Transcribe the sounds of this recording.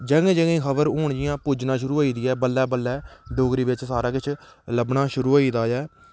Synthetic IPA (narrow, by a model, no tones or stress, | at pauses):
d͡ʒəŋẽːd͡ʒəŋĩːkʰəbəɾɦoːɳd͡ʒɪjãːpuːd͡ʒnãːʃʊɾuːoːiːd̪ɪɛːbəlːɛːbəlːɛːɖoːɡɾiːbɪt͡ʃsaːɾaːkɪt͡ʃʰ | ləbnaːʃʊɾuːoːiːd̪aːjɛː